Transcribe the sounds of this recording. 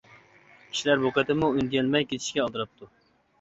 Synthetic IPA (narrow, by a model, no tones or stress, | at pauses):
kʲʰi̥ʃilæɾboqɛt̪ɪmuynd̪ijɛnmɛjkʲʰet̪ʰi̥ʃkʲɛɑlˠt̪ɨɾɑp̚t̪ʰu